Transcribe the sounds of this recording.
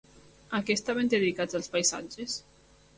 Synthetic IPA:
akest̪aβend̪eðikad͡zalˠspajsa̰d͡ʒes

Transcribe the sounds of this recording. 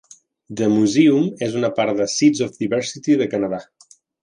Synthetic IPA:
d̪əmuziumezunəpaɾðəsizɔfd̪iβɛɾsit̪iðəkənəða

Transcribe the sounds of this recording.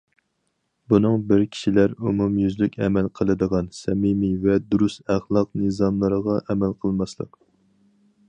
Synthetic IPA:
bunɨŋbɪɾkʲʰi̥ʃilæɾumumjyzlykʲʰɛ̰mælqʰəlˠɨd̪əʁɑnsɛmimivɛd̪uɾust̪æχlˠɑq̚nɨzɑmlˠəɾəʁɑʔɛmælqʰəlˠmɑslˠə̰q

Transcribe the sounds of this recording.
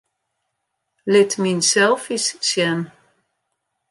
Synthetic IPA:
lɪtminsɛlˠfissjɛn

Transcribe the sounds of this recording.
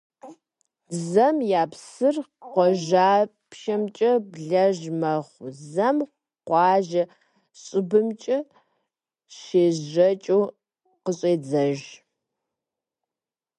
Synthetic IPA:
zɐmjaːpsɨrqʷɔʒaː | pʃɐmt͡ʃʼɐbɮɐʒmɐχʷzɐm | qʷɑːʒɐ | ɕʼɪbɨmt͡ʃʼɐ | ʃeːzʒɐt͡ʃʼuː | qəɕʼeːd͡zɐʒ

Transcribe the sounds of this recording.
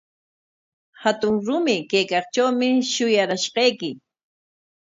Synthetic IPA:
hat̪ʊŋɾʊmɪkajkɑχt͡ʃawmɪʃʊjaɾaʃqɑjkɪ

